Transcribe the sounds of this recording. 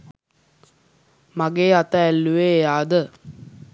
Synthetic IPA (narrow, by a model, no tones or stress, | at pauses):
maɡeːat̪əːlːuʋeːjaːd̪ə